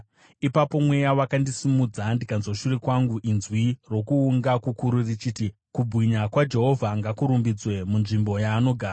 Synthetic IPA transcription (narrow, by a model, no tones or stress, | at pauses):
ipapo̞mwe̞jawakandisimud͡zandikanzwaʃurekwaŋɡuʔinzwiro̞kuːŋɡakukuɾurit͡ʃiti | kubʱwiɲakwad͡ʒe̞ɦo̞vʱaŋɡakuɾumbid͡zwe̞munʐimbo̞jaːno̞ɡʱaː